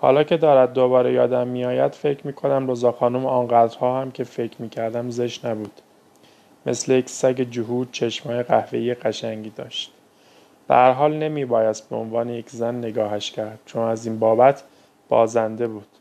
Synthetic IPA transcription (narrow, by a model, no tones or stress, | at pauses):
hɒ̰ːlɒːcʰe̞d̪ɒːɾæd̪̚ːo̞bɒːɾejɒːd̪æmːijɒːjæd̪fe̞cʰmiːkʰo̞næmɾozɒːxɒːnumɒːnɢæd̪ɾhɒːhæmcʰe̞fe̞cʰmiːcʰæɾd̪æmze̞ʃnæbuːd̪̥ | me̞̰slejecʰsæɟed͡ʒoɦuːd̪̚t͡ʃʰeʃmɒːjeɣæhveiːjeɣæʃæŋɟiːd̪ɒ̰ːʃt̪ | b̥ḛhæɾɦɒːlne̞miːbɒːjæst̪̚beo̰nvɒːne̞je̞cʰzænːe̞ɡɒːɦæʃcʰæɾd̪̥̚t͡ʃʰonæziːnbɒːbæt̪ʰ | b̥ɒ̰ːzænd̪e̞buːd̪̥